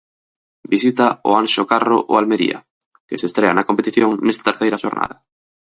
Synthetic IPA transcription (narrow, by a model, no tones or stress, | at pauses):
bisit̪ao̰anʃokaro̰ʔoalmeɾḭa̰ | kesest̪ɾeanɐkompet̪iθjoŋnɛst̪at̪eɾθejɾaʃoɾna̰ðɐ